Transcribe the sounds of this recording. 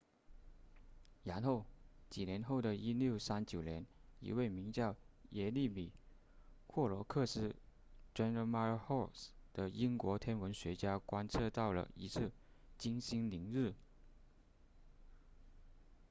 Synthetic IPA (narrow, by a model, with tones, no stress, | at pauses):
ja˧˥nxo˥˩ʊt͡ɕi˨˩njɛ˧˥nxo˥˩ʊd̪ə˩i˥ljo˥˩ʊsa˥nt͡ɕjo˨˩ʊnjɛ˧˥nḭ˧˥we˥˩ɪmi˧˥ŋt͡ɕjɑ˥˩ʊjɛ˧˥li˥˩mi˨˩ | kʰwɔ˥˩lwɔ˧˥kʰɤ˥˧ʂɻ̩˥˩ | ʈ͡ʂɛ˥nɻə˥ma˥xɔ˥˩sd̪̥ə˨i˥ŋkwɔ˧˥t̪ʰjɛ˥nwə˧˥nɕɥɛ˧˥t͡ɕja˥kwa˥nt͡sʰɤ˥˧t̪ɑ˥˩ʊlə̰˩ḭ˧˥t͡sʰɹ̩˥˩ | t͡ɕi˥ŋɕi˥ŋli˧˥ŋɻɻ̩˥˩